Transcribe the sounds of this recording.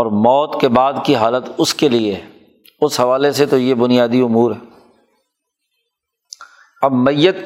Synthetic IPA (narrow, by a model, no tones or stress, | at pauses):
ɔːɾmɔːt̪kebaːd̪kiɦaːlət̪ʊskelie | ʊsɦɐʋaːleset̪ojebʊnijaːd̪iʊmuːɾɦɛː | ɐbmɐjːət̪̚